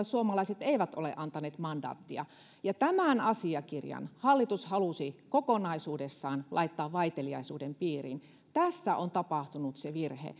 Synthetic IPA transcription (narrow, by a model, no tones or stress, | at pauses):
suomɑlɑiset̪eiʋæt̪ʔolḛʔɑnt̪ɑneːt̪mɑndɑ̰ːt̪ːiɑ̰ | jɑt̪æmænɑsiɑkirjɑ̰nhɑlːit̪ushɑlusikokonɑisuːdesːɑːnlʔɑ̰it̪ːɑːʋʋɑit̪eliɑ̰isuːdempiːrḭn | t̪æsːæʔont̪ɑpɑht̪unut̪seʋirhḛ